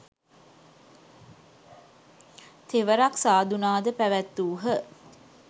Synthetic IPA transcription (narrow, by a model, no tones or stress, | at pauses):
t̪eʋəɾaksaːd̪unaːd̪əpæʋæt̪ːuːɦə